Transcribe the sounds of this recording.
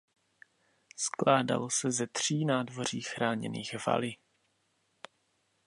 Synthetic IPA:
sklaːda̰losɛzɛt̪r̝̥iːnaːdvo̞r̝iːxɾaːɲɛ̰niːɣva̰lɪ

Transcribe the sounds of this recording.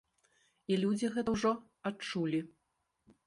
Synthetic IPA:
ilʲud͡zʲiɣɛt̪ɐwʐɔ | at͡ʂulʲi

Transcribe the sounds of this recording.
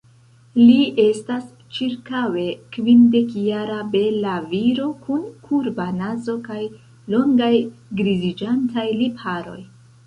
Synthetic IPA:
liʔe̞stas | t͡ʃiɾkawe̞kvinde̞kjaɾabe̞laviɾo̞kʰunkʰuɾbanazo̞kaj | lo̞ŋɡajɡɾizid͡ʒantajlipʰaɾo̞̰j

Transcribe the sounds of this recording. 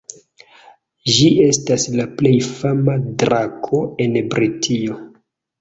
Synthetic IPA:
ʒie̞staslaple̞jfamadɾakʰo̞e̞nbɾitʰio̞

